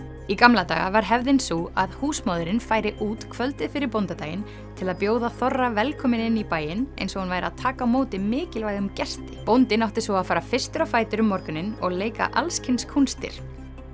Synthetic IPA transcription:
ikamlat̪a̰ːɣa̰vaɾ̥ɦɛvðɪnsua̰ðhuːsmaːðʏɾɪnfaːjɾɪʔuːt̪kʰvœlt̪ɪfɪɾɪɾpownt̪at̪aːjɪn | t̪ʰɪlaðpjoːwðaθɔrːavɛlkʰɔːmɪnɪnːipaːjɪnḛjnsɔɣhanvaːjɾɪaðt̪ʰaːkawmoːwt̪ɪmɪːcɪlvajɣʏmcɛst̪ɪ̥pownt̪ɪnawht̪ɪsɔaðfaːɾafɪr̥st̪ʏɾafaːjt̪ʏɾʏmːɔɾkʏnːɪnɔɣleːjka̰ʔalscʰɪjnskʰunst̪ɪ̰ɾ̥

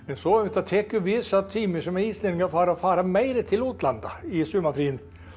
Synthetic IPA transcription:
mɛnsɔɛt̪at̪ʰɛkːjʉvɪsat̪ʰːiːmɪsɔmɛiːsleɪŋafɑːɾaɔfɑːɾamɛɪɾət̪ʰɪluːt̪land̪a̰ɪsʉmːafɾiːn

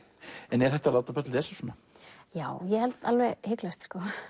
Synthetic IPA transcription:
ɛnɛɾ̥θɛht̪alaːwt̪apœt̪lðɛsḁsɔːnajaːwjɛhɛlt̪alvɛɣhɪklast̪skɔ

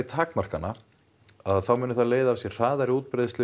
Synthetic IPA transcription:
t̪ʰaːkmar̥kanːa | aðθawmʏːnʏθaleːjðaːvsjɛ̥r̥aːðaɾɪuːt̪̚pɾeðst̪ɪ

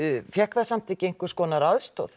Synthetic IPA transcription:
fjɛhkðasamt̪ʰɪcɪejŋkʏɾ̥skɔːnaɾaðst̪o̰ð

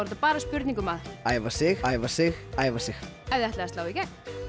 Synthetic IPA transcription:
ɔɾ̥t̪apaːɾaspʏɾt̪niŋkʏmaðaːjvasɪxaːjvasɪxaːjvasɪxɛvðɛht̪lɛast̪lawicɛn̥t̪

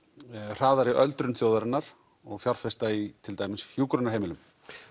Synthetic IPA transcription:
r̥aːðaɾɪʔœlt̪ɾʏnθjoːwðaɾɪnːaɾ̥ | ɔɣfjawɾ̥fɛst̪ait̪ʰɪlt̪ajmɪnshjuːkɾʏnaɾɦeːjmɪlʏm

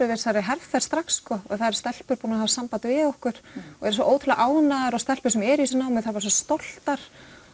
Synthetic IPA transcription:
ʏvɪɾ̥saɾɪɦɛɾvθḁst̪ɾaksːkɔɛ̰θaðɾ̥st̪ɛl̥pʏɾpunahavsampat̪vɪðohkʏɾ̥ɔɛɾsvɔʔoːwt̪ʰɪlaʔaːwnaðaɾɔst̪ɛl̥pʏ̥ɾsɛmɛɾisnaːwmɪðθaɾpaɾs̬ɔst̪ɔl̥t̪aɾ̥

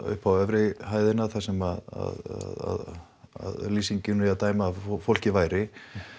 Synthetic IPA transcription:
ʏ̰hpawɛvɾɪɦaːjðɪnaðθasɛmaða̰ðaða̰ð | a̰ðliːsiɲcɪnat̪aːjmaːfol̥cɪvaːjɾɪ

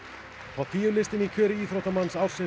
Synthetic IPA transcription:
θʰawθiːjʏlɪst̪ɪnikʰœːɾɪiːθɾowht̪amansaːwɾ̥sɪ

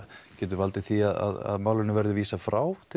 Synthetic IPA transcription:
cɛːt̪̬ʏɾvalt̪ɪθiaða̰ða̰ðmaːwlɪnʏvɛɾðʏviːsafɾaːwt̪ʰɪ

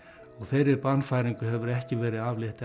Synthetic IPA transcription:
ɔɣθejɾɪɾpanːfaːjɾiŋkʏɦɛvʏɾɛhcɪvɛːɾɪðavlɪht̪

